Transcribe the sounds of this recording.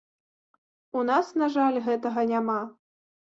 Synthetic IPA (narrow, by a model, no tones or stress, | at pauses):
un̪asnaʐalʲɣɛt̪ɐɣɐnʲama